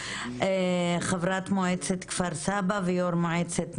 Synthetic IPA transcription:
eχavɾat̪moʕet͡set̪kvaɾsabavejoɾmoʕet͡set̪

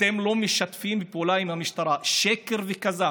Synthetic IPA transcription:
temlo̞miʃat̪fimbipeulaimhamiʃt̪aʁaʃeke̞ʁvekaza

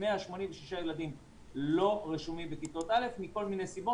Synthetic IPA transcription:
meaʃmo̞nimveʃiʃajelad̪im | lo̞ʁeʃumimbekit̪ot̪ʔale̞fmiko̞lminejsibo

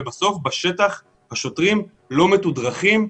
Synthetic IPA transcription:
baso̞fbaʃe̞t̪aχ | haʃo̞t̪ʁim | lo̞metud̪ʁaχim

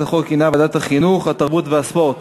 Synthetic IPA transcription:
aχolkinabad̪at̪haχinuχhat̪aʁbut̪veaspo̞ʁt̪

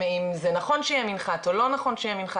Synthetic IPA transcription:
eimzenaχo̞nʃejɛminχatolo̞naχo̞nʃejɛminχa

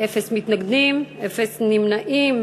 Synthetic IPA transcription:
efesmit̪naɡd̪imefesnimnaʔim

